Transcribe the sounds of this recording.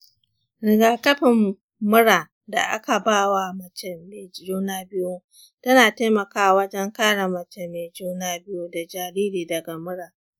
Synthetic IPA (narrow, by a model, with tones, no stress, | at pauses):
ɽɪ˨ɡaː˨kɐ˦ɸɪ˨mː | ʊ˦ɽaː˨ | da̰˨ʔa̰˦ka˨baː˦wa˨mɐ˨t͡ʃɛ˦me˨˦d͡ʒuː˦naː˦bɪ˦jo˦ | tɐ˦naː˨ta˦mɐ˨kaː˦wɐ˦d͡ʒɛ˦ŋkaː˦ɽa˨mɐ˨t͡ʃɛ˨mːeː˨d͡ʒuː˦naː˦bɪ˦joː˦da˨d͡ʒaː˨ɾiː˦ɾiː˨dɐ˨ɡa˨mʊ˦ɽaː˨